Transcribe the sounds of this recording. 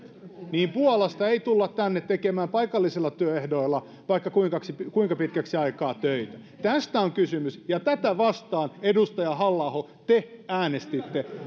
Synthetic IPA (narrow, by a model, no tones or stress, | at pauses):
niːmpuɑlɑst̪ɑeit̪ulːɑt̪t̪ænːet̪t̪ːekemæːmpɑikɑlːisilːɑt̪yøehdoilːɑ | ʋɑikːɑkuiŋkɑksipkuiŋkɑpit̪kæksiɑikɑːt̪øit̪æ | t̪æst̪æoŋkysymysjɑt̪æt̪æʋɑst̪ɑːnedust̪ɑjɑhɑlːɑho | t̪eæːnest̪it̪ːe